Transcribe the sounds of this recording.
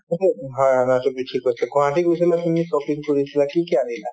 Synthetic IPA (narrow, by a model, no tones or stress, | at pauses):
otɛɦaanatʊbitʰikɦojsɛɡʱɔ̃ɦãtiɡojs̬ilakinisɔpiŋkoɹisilakikianila